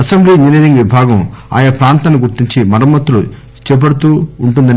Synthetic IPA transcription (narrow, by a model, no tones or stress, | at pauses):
ɐsɐmbliːninid̪iŋʋibʱaːɡɐma̰ːjɐpɾaːnt̪ɐnːuɡuɾt̪iɲt͡ʃimɐɾɐmːɐt̪ːulu | t͡ʃɛːp̬ɐɽut̪uːɳʈund̪ɐn